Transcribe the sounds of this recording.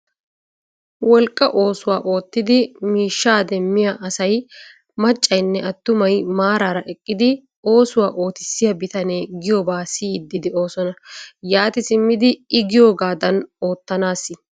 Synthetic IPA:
wɔlkʼːɐʔo̞ːsʊwaːʔo̞ːt̪ːɪd̪ɪmiːʃːaːd̪ɛmːɪjaːʔɐsɐj | mɐt͡ʃʼːɐjnːɛʔɐt̪ːʊmɐjmaːɾaːɾɐʔɛkʼːɪd̪ɪ | o̞ːsʊwaːʔo̞ːt̪ɪ̥sːɪjɐbɪt̪ɐneːɡɪjoːbaːsiːd̪ːɪd̪ɪo̞ːsɔnɐjaːt̪ɪsɪmːɪd̪ɪɪɡɪjoːɡaːd̪ɐno̞ːt̪ːɐnaːsɪ

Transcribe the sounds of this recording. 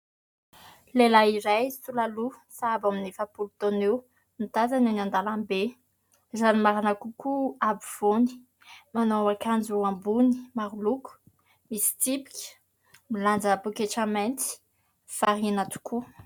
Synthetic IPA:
lelaiɾajsulalusaabaminefapulut̪onew | nit̪azanenand̪alambe | zanimaɾanakukuabiv̥oni̥ | manowakand͡ʒuambuni̥maɾuluku̥ | misi̥t̪ipi̥kʲə̥ | miland͡ʒəpukeʈ͡ʂamɛnt̪i̥ | faɾinat̪u̥kʰu

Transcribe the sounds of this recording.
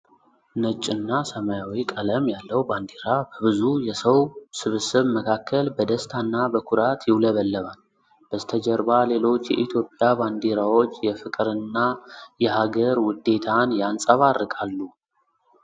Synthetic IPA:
nət͡ʃʼːɪnːasəmajawikʼələmjalːəwband̪eɾabəβɨzujɛsəwsɨβɨsɨβməkʰakʰːəlbəd̪əst̪ʰanːabəkʰuɾat̪jɪwləβəlːəβal | b̥əzt̪ʰəd͡ʒɛɾbale̞lo̞t͡ʃːjɛ̰ʔit̪ʰjo̞pʼːjaband̪eɾawo̞t͡ʃːjɛfɨkʼɾɨnːajɛhaɡəɾwʊd̪e̞t̪ʰanjansʼəβarːɨkʼalːu

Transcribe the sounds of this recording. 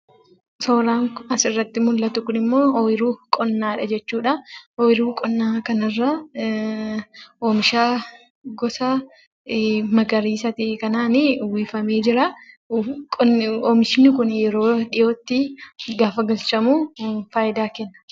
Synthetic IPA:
sɔɾaːŋkɐsɪrːɐt̪ːɪmʊlːɐt̪ʊkʊnɪmːo̞ːɔɪɾuːkʼɔnːaːᶑɐd͡ʒɛt͡ʃːuːᶑɐɔɪɾuːkʼɔnːaːkɐnɐrːɐ | ʔoːmɪʃaː | ɡɔsɐ | mɐɡɐɾiːsɐt̪ɪkɐnaːnɪwiːfɐme̞ːd͡ʒɪɾɐ | kʼɔnɔːmɪʃɪnːɪkʊnjɛɾo̞ːᶑɪjoːt̪ːɪɡaːfɐɡɐlt͡ʃɐmuːfaːjɪd̪aːkɛnːɐ̥

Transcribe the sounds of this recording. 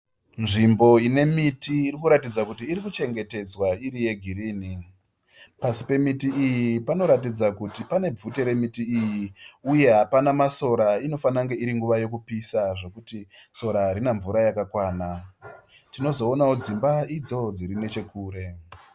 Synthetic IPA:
nʐimbo̞ine̞mitiːrikuɾatid͡zakutiːɾikut͡ʃe̞ŋɡe̞te̞d͡zwaiɾije̞ɡʱiɾiːni | pasi̥pe̞mitiʔijipano̞ɾat̬id͡zakutipane̞vute̞ɾe̞mitiijiuje̞ɦapanamaso̞ɾaino̞fanaŋɡe̞iɾiŋɡuʋaje̞k̬upisaʐo̞kutiso̞ɾaaɾinaɱvuɾajakakwaːna | tino̞zo̞ːnaod͡zimbaid͡zo̞d͡ziɾine̞t͡ʃe̞kuːɾe̞

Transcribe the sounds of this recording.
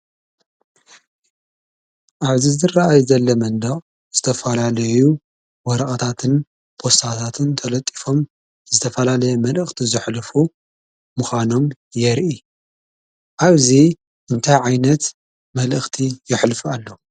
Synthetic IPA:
ʔaβzizɨrːaajzɐlːɐmɐnd̪ɐχʼ | z̥ɨt̪ʰɐfɐlalɐju | wɔɾɐχʼɐt̪ʰat̪ʰɨn | pʰo̞st̪ʰat̪ʰat̪ʰɨnt̪ʰɐlɐt̪ʼːi̥fo̞m | zɨt̪ʰɐfɐlalɐjɛmɐlʔɨxt̪ʰizɨħlfu | muxʷano̞m | jɛɾʔi | ʔaβzi | ʔɨnt̪ʰajʕajnɐt̪ | mɐlʔɨxt̪ʰijɪħlfualːɐ

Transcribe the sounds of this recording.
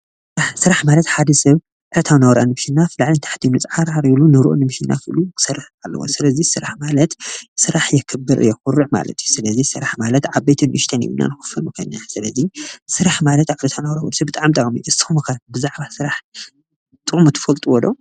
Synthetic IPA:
sɨɾaħsɨɾaħmalɐt̪ħad̪ɐsɐβ | ʕɨɾɐt̪ʰawnɐwɾanɨmʃinːafɨlaʕlint̪ʰḁħt̪ʰinɨt͡sʼʕaɾaɾilunɨɾʔonɨmɨʃinːa̰kʰɨʔɨlukʰɨ̥sɐrːɨħalːɐ̰wo̰sɨlɐzisɨɾaħmalɐt̪sɨɾaħjɛkʰɨbːɨɾʔɨ̰jːoxuɾːɨʕma̰lɐ̰t̪ʰjusɨlɐzisɨɾaħmalɐt̪ʕaβbejt̪ʰɨnʔɨʃt̪ʰɐnḭβɨnːa̰nɨxɨ̥fɐnukʰɐjnːasɨlɐzisɨɾaħmalɐt̪aβɨɾɐt̪ʰawnɐwɾawɔ̰d̪sɐbɨt̪ʼaʕamt̪ʼakʼmiʔɨ̥t̪ɨxumɨkʰabɨzaʕβasɨɾaħ | t̪ʼɨʔmut̪ʰɨ̥fɐlt̪ʼuwɔlo

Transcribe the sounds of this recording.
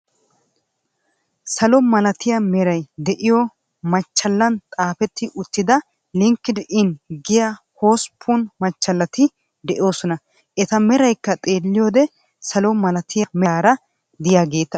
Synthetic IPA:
sɐlɔmɐlɐt̪ɪjɐmɛɾɐjd̪ɛʔɪjɔ | mɐt͡ʃːɐlːɐnt̪ʼaːfɛt̪ːɪʔʊt̪ːɪd̪ɐ | lɪŋkːɪd̪ʔɪnɡɪjahoːspʰːunmɐt͡ʃːɐlːɐt̪ɪ | d̪ɛʔɪjo̞ːsɔnɐ | ʔɛt̪ɐmɛɾɐjkːɐt̪ʼe̞ːlːɪjoːd̪ɛ | sɐlɔmɐlɐt̪ʰɪjamɛːɾɐ | d̪ɪjaːɡe̞ːt̪ːɐ

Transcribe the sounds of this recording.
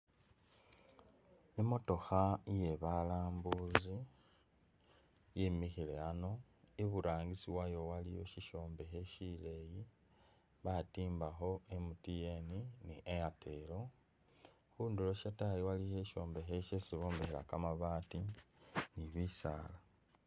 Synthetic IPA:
emo̞to̞xaje̞βalaːmbuzi | jimixile̞ano | iβuɾaːŋɡisiwajo̞walijo̞̰ʃiʃo̞ːmbe̞xe̞ʃile̞ːji | βatiːmbaxo̞e̞mutijeniniʔejatʰe̞ːlo̞ | xuːndulo̞ʃatajiwalihe̞ʃo̞ːmbe̞xeʃesiβoːmbexela̰kamaβaːti | niβisaːla

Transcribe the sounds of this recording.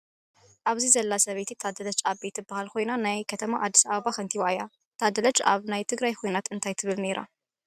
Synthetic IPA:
ʔaβzizɐlːasɐβet̪ʰit̪ʰad̪ɐlɐt͡ʃʼabet̪ɨbːahalkʰo̞jnanajkʰɐt̪ʰɐmaʔad̪ːi̥saβɐβaxɐnt̪ʰiβaja | t̪ʰad̪ɐlɐt͡ʃʼa̰βnajt̪ʰɨɡɾajkʰo̞jnat̪ɨnt̪ʰajt̪ʰɨβɨlne̞ɾʔa̰

